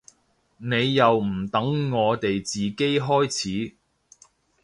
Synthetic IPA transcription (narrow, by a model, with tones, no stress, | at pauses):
ne˨˧jːɐ˨wm̩˨˩t̪ɐ˨˥ŋːɔː˨˧t̪e˨jt͡siː˨ke˥jɦɔː˥jt͡sʰiː˨˥